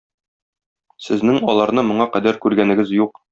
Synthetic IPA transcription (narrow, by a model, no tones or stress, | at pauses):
sɘ̆znɘŋɒlˠɑɾnɤmŏɴɑqæd̪æɾkʉɾɡænɘ̆ɡɘzjuq